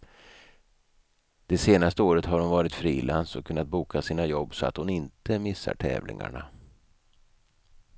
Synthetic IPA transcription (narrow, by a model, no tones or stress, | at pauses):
d̪̥ɛseːnast̪əoːɾət̪haɾhʊnvɑːɾɪt̪fɾiːlansɔkʰːɵnːat̪̚buːkʰasiːnajɔbːsɔa̰t̪hʊnɪnt̪əmɪsːa̰ʈʰɛ̰ːvlɪ̰ŋa̰ɳa